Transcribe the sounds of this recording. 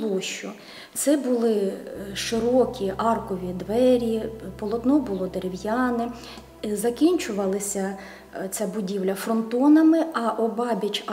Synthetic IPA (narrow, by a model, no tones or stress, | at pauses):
lˠɔʃt͡ʃʊ | t̪sɛbʊlˠɪʃɪɾɔkʲiʔɑrkɔʋʲid̪ʋɛɾʲipɔlˠɔt̪nɔbʊlˠɔd̪eɾewjɑnɪ | zɐkʲinʲt͡ʃʊʋɐlˠɪsʲɐ | t͡sʲabʊdʲiwlʲɐfrɔnt̪ɔnɐmɪɐʔɔbɑbʲɐt͡ʃ